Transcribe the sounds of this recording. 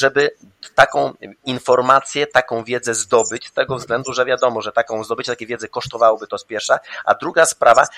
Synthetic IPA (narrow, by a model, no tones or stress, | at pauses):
ʐɛbɘ | t̪akɔ̃w̃infɔɾmat̪sʲjɛt̪akɔ̃w̃vʲjɛd̪zɛzd̪ɔbɘt͡ɕst̪ɛɡɔvzɡlɛnd̪uʐɛvjad̪ɔmɔʐɛt̪akɔ̃w̃zd̪ɔbɘt͡ɕɛt̪akʲevjɛd̪zɛkɔʂt̪ɔvawɔbɘt̪ɔspʲjɛɾfʂaʔa̰d̪ɾuɡaspɾava